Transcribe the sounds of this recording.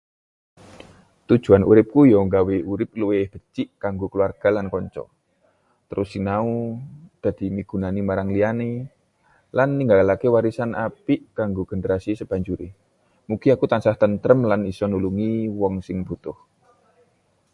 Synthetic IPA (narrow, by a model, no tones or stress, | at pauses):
t̪ud̥ʒ̥ṳanṵɾɪp̚kujɔŋɡaweuɾɪp̚luwehb̥ə̤t͡ʃiʔkaŋɡokluarɡ̥a̤lankɔɲt͡ʃɔ̰ | t̪əɾʊsiŋnaud̪̥a̤d̪̥i̤miɡ̥ṳnanimaɾaŋliane | lanːiŋɡalakewaɾisanʔapɪʔkaŋɡoɡ̥ə̤nəɾasisəb̥a̤ɲd͡ʒuɾe | mukiakut̪ansaht̪ənt̪ɾəmlanisɔnuluŋiwɔŋsɪŋb̥ṳt̪ʊh